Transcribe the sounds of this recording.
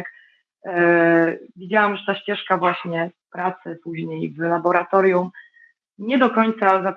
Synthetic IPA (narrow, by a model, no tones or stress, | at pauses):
k | vʲid͡ʑawamʐɛt̪aɕt͡ɕɛʂkavwaɕɲɛpɾat̪sɘpuʑɲejvlabɔɾat̪ɔɾʲjum | ɲɛd̪ɔkɔɲt̪saza